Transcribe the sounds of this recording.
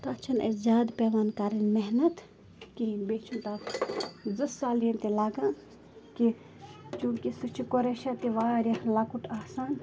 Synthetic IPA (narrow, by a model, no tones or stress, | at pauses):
t̪ɐɐt͡ʃʰɐnɐ̰zʲaːd̪peːʋaːnkaːɾinmeɦnɐt̪ | kibeːt͡ʃʰunt̪a | d͡zɨsaːlijɐnt̪ilaːɡãː | ki | t͡ʃũːkisɨt͡ʃʰikoɾeʃat̪iʋaːɾjɐlaːkuʈʰaːsaːn